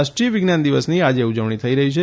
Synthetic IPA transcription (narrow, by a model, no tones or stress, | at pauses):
aʃʈɾijəʋɪɡnand̪iʋəsniad͡ʒeud͡ʒəʋɳ̃it̪ʰəiɾəɦit͡ʃʰe